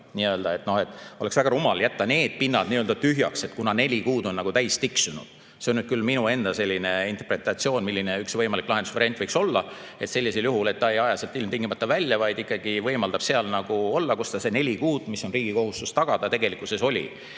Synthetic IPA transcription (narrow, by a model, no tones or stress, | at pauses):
niø̞ːld̪̥ɑe̞t̪ːˑno̞he̞t̪ːˑo̞le̞ksvæɡ̥ɑɾumɑljæt̪ːɑne̞ːd̪̥̚pinːɑd̪̥niːøld̪ɑt̪yɦjɑ̰kse̞t̪kunɑne̞lʲikuːd̪o̞nːɑɡ̥ut̪æjst̪iksunṵd̪̥ | se̞onyd̥̪kylminue̞nd̪̥ɑselʲːine̞int̪erpre̞t̪ˑɑt̪sio̞ːnmilʲːine̞yksvɤjmɑliklɑɦed̪usvɑɾiɑnt̪vɤjkso̞lːɑ | e̞t̪selʲːiseljuɦule̞t̪ːɑe̞jɑjɑselt̪ːˑilmt̪iŋɡimɑt̪ˑːɑvælʲjɑvɑjd̪̥ikːˑɑɡ̥ivɤjmɑld̪ɑb̥se̞ɑlnɑɡ̥uo̞lːɑkust̪ɑse̞ne̞lʲikuːd̪̥miso̞nriːɡ̥iko̞ɦust̪ust̪ɑɡ̥ɑd̪̥ɑt̪eɡ̥e̞likːˑuseso̞lʲḭ